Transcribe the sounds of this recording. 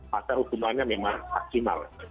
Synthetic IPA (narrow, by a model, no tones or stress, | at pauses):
masahukumaɲamemaŋmak̚sima̰l